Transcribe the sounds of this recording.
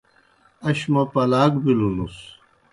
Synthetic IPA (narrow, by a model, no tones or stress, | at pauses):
ɐɕmɐpɐlaːɡbilunus